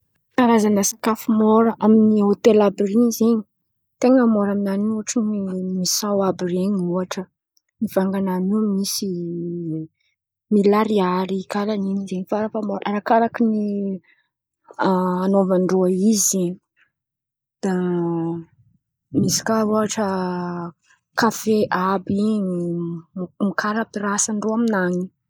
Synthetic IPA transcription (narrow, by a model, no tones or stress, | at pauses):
k̪aɾazanəsḁkafumoɾəʔaminiot̪elabirinzeɲi̥ | t̪eŋəmoɾaminaniuaʈ͡ʂinimisawabiɾeɲiuaʈ͡ʂə | niv̥aŋɡananumisi | milaɾiaɾikalaninizeɲifaɾafamoɾʔaɾakaɾakini | anovaɳɖ͡ʐoaizi | d̪̥a | misi̥kauaʈ͡ʂə | kafeʔabi | mikʰaɾapiɾasaɳɖ͡ʐoaminaŋi